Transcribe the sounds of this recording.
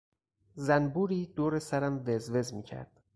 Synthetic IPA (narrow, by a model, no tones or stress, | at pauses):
zænbuːɾiːd̪̥oːɾesæɾæmvezve̞zmiːcʰæ̰ɾd̪̥